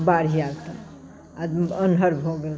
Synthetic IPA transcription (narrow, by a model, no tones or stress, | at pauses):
baɾijaɡt̪ə | ad̪ənɦəɾbɦoɡel